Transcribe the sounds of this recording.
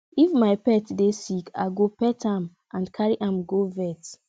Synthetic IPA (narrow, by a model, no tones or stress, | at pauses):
ifmaɪpɛtdesikʰa̰ɡopɛtʰãm | ʔãnkʰaɹiʔãmɡovɛt